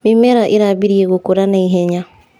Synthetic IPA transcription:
mimɛɾaʔɪɾabiɾieɣokoɾanaiɦɛɲa

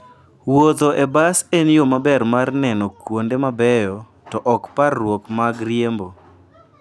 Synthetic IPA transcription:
wot̪oʔebasenjomabɛrmarnɛnɔkwondemabɛjɔ | tɔʔɔkparːwokmaɡrjembo

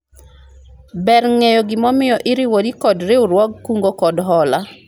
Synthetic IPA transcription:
bɛrŋejoɡɪmɔmɪjɔʔɪɾiwodikɔdɾɪuɾwɔɡ̚kuŋɡokɔdɦɔla

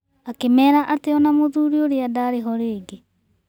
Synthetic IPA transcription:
akemɛːɾaʔateɔnamoðuːɾioɾeadaɾeɦɔɾeːɡe

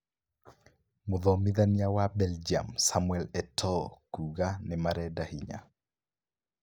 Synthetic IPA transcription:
mʊðɔmiðanijawabɛld͡ʒia̰msamuɛlɛtʰɔkuɡanɛmaɾɛdahiɲa̰

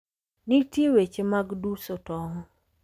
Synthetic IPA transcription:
nitjewet͡ʃemaɡdusɔtɔŋɔ

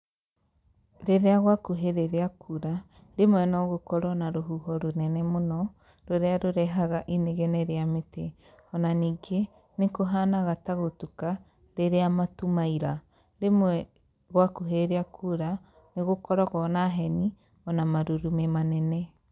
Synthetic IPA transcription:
ɾeɾeaɣwakoɦeɾeɾeakʰuɾa | ɾemwɛnɔɣokɔɾɔnaɾoɦuhɔɾonɛnɛmonɔ | ɾoɾeaɾoɾɛɦaɣaʔineɣɛnɛɾeamete | ɔnaniːɡe | nekoɦanaɣataɣotuka | ɾeɾeamatumaiɾa | ɾemwɛ | ɣwakoɦeɾeakʰuɾa | neɣokɔɾɔɣɔnaɦɛni | ɔnamaɾuɾumemanɛnɛ

